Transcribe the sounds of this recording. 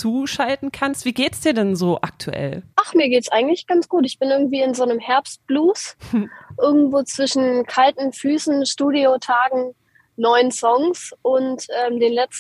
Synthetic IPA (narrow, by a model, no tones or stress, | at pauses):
t͡suːʃaltn̩kʰanstv̥iːɡeːtsd̥iːɐdɛnzoːʔa̰k̚tʰṵʔɛ̰lʔaχmiːɐɡeːtsʔaɪɡŋ̩tlɪçɡ̥ant͡sɡ̥uːtɪçb̥ɪnʔɪɐɡŋ̩tv̥iːɪnzoːnəmhɛɐpst̚b̥luːs | ʔɪɐɡŋ̩tv̥oːt͡sv̥ɪʃn̩kʰaltn̩fyːsn̩ʃtuːdiotʰaːɡŋ̩ | nɔʏənsɔŋsʔʊntʔɛːmdeːnlɛt͡s